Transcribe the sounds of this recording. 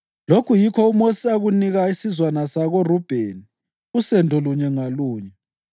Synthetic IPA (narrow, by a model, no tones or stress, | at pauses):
lokʰujikʰɔumosiaɣuniɣaisizwanasaɣorub̥ʱeni | usɛndʱɔluɲɛŋaluːɲɛ